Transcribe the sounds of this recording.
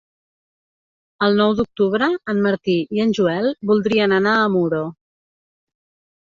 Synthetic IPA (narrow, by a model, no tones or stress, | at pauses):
əlˠnɔwd̪uk̚t̪uβɾəːnməɾt̪iiənʲʒuɛlˠbulˠd̪ɾiənənaːmuɾo